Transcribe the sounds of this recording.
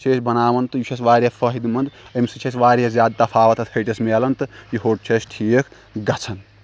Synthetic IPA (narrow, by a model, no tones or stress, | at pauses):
t͡ʃʰeːsbɐnaːʋɐnt̪ɨjut͡ʃʰesʋaːɾʲjɐfʰɐɦid̪umɐnd̪emsit͡ʃʰesʋaːɾiɐzʲaːd̪t̪apʰaːʋɐt̪ɐt̪ʰhʰɐjʈɐsmeːlɐnt̪ɨjiɦoːʈ̚t͡ʃʰesʈʰiːjekʰ | ɡɐt͡sʰɐn